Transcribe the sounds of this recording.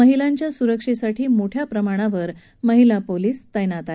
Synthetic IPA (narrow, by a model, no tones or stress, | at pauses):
əɦilaɲt͡ɕjasuɾəkʂisaʈʰiːmoʈʰjapɾəmaɽ̃aʋəɾ | məɦilapoliːst̪əjnat̪a